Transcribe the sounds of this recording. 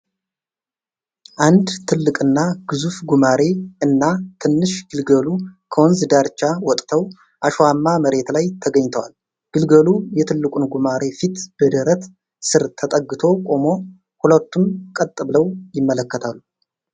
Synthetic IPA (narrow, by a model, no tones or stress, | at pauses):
ʔand̪t̪ʰɨlːɨkʼɨnːaɡ̥ɨzufɡumaɾe̞ɨnːat̪ʰɨnːɨʃɡ̥ɨlɡəlukʰəwɔnzɨd̪aɾt͡ʃːawɔt̪ʼt̪ʰəw | ʔaʃwamːaməɾe̞t̪lajt̪ʰəɡəɲːt̪ʰəwal | ɡ̥ɨlɡəlujɛt̪ʰɨlːɨkʼunɡumaɾe̞fit̪b̥əd̪əɾət̪ | sɨɾt̪ʰət̪ʼəɡːɨt̪ʰo̞kʼo̞mo̞ | hulət̪ːumkʼət̪ʼːɨβləwjɪmːələkːət̪ʰalːu